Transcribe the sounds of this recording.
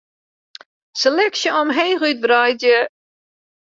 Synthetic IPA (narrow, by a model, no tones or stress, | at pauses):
səlɛksjəɔmɦeːɣyt̚brajdjə